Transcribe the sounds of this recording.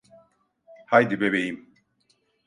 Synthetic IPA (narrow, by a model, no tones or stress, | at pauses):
hajd̪ibeβejim